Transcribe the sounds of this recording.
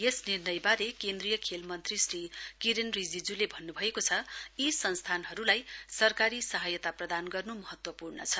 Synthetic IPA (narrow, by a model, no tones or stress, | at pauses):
jesnirnʌjbaɾekend̪rijʌkʰelmʌnt̪risrikiɾenrid͡zid͡zulebʱʌnːubʱʌekot͡sʰʌisʌnst̪ʰanɦʌɾulajsʌrkaɾisʌɦʌjʌt̪aprʌd̪anɡʌrnumʌɦʌt̪wʌpurnʌ̰t͡sʰʌ